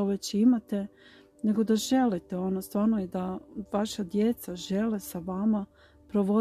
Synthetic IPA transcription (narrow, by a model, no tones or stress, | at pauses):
ʋet͡ɕimat̪e̞ | ne̞ɡo̞d̪aʒe̞lit̪eo̞nost̪ʋaːɾnojed̪aʋaʃad̪je̞t̪saʒe̞lesaʋama | pɾo̞ʋo̞